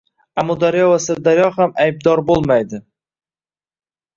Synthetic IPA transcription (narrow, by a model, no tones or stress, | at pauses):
amɔd̪aɾjɒvasɪɾd̪aɾjɒhamajb̚d̪ɒɾbolˠmajd̪ɪ